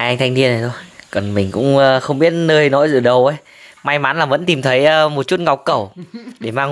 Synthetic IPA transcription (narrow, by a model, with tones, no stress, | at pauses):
a˧ŋt̪ʰa˧ŋ̟t̪ʰi˧əna˨˩t̪ʰo˧jkɔ˨˩nmï˨˩ŋ̟kʊ̰˧˥ŋ͡məː˧xə˧wŋ͡mɓi˦˥ət̚nəː˧jnɔ˧˥˦jzɨ̰˧˩ɗə˨˩wʔə˨˦j | ma˧jmaː˨˦nlaː˨˩və̰˧˥nt̪i˨˩mt̪ʰə˨˦jəː˧mo˨˩t̚t͡ɕu˦˥t̚ŋa˨˩wk͡p̚kə˧˩wɗe˧˩maː˧ŋ